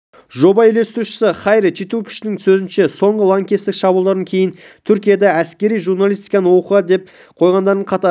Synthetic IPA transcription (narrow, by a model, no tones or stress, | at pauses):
ʒo̞bɑɪle̞st̪ɪɾuʃɪ̥sɪχɑjɾt͡ʃʰit̪ukʲʰɪ̥ʃɪnɪŋsɵzɪnʃe̞so̞ɴʁəlˠaŋkʲest̪ɪkʃɑbulˠd̪ɑɾd̪ɑŋkʲʰe̞jɪnt̪ʰʏɾkʲijad̪ɑæskʲe̞ɾijʒuɾnalˠist̪ijkɑnəwo̞qəʁɑd̪e̞p̚ | qʰo̞jʁɑnd̪ɑɾd̪əɴqʰɑt̪ɑ